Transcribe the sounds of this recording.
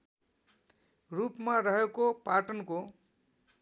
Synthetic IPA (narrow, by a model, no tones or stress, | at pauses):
rupmaɾʌɦekopaʈʌnko